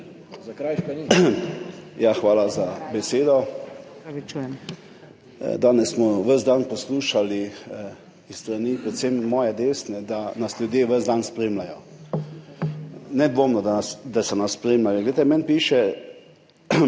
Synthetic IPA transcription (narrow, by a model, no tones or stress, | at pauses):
kɾajk | jaxʋaːlazabɛseːd̪ɔ | t͡ʃːjɛ | d̪aːnɛssmɔʋəzd̪anpɔsluːʃali | isst̪ɾaniːpɾɛt̪semːɔːjɛd̪eːsnɛd̪anasljud̪jeːʋəzd̪anspɾeːmlajɔ | nɛd̪ʋoːmnɔd̪ad̪asɔnasːpɾemlajɔɡlejt̪ɛmɛnpiːʃɛ